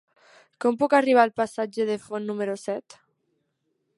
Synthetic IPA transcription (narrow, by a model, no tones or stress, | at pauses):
kɔmpukariβ̞aːlpasad͡ʒeðefonːumeɾosɛt̪